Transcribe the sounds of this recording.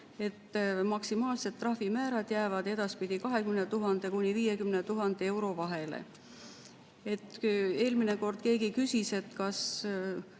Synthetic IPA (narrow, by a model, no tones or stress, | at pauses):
e̞t̪ːmɑksimɑːlse̞d̪t̪ːrɑhvimæːɾɑd̪̥jæːvɑd̪̥e̞d̪̥ɑspid̪̥ikɑɦe̞kymnet̪uɦɑnd̪̥e̞kunʲiviːje̞kymnet̪uɦɑnd̪̥ee̞wɾo̞vɑɦe̞lḛ | e̞t̪ːˑe̞ːlmine̞ko̞rd̪̥ke̞ːɡikysise̞t̪ːkɑs